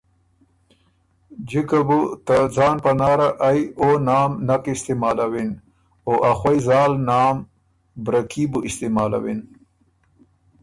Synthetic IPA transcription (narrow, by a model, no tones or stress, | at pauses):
d͡ʒikabut̪azɑːnpanɑːɾaʔːjonɑːmnakɪst̪emɑːlawin | oʔaxwajzɑːlnɑːm | bɾakʰibuʔɪst̪emɑːla̰win